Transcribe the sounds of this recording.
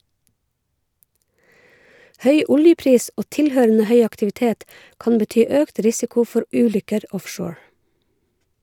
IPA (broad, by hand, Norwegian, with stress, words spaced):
ˈhœʏ ˈʊljəˌpɾiːs ˈʔoː ˈtɪlˌhøːɾənə ˈhœʏ ɑktɪʋɪˈteːt ˈkɑn bəˈtyː ˈøːkt ˈɾɪsɪkʊ ˈfɔɾ ˈʔʉːˌlʏkəɾ ˈɔfʃoːɹ